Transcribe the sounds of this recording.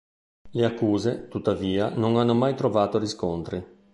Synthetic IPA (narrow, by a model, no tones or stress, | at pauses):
leakːuːzet̪ut̪ːaviːanoŋanːomajt̪ɾovaːt̪oɾiskont̪ɾi